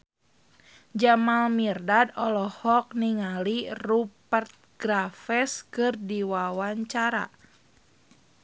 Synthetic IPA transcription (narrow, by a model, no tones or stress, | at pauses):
d͡ʒamalmirdadɔlɔhɔk̚niŋalirupərt̪̚ɡ̥ɾafɛskɨrdiwawaɲt͡ʃaɾa̰